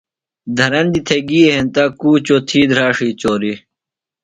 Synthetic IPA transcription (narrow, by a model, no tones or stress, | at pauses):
d̪ʱɐɾɐnd̪it̪ʰeɡiːɦẽnt̪akuːt͡ɕoːt̪ʰiːd̪ʱɾaːʂiːt͡ɕoːɾi